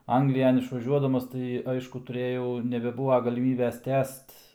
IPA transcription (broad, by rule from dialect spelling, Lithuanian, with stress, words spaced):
ˈɐŋɡlʲɪjɛn ɪʃʋɐˈʒʲuɔdɐmɐs tɐɪ ˈɐɪʃkʊ tʊˈrʲeːjɛʊ nʲɛbʲɛˈbuːʋɐ ɡɐlʲɪˈmʲiːbʲeːs ˈtʲæːst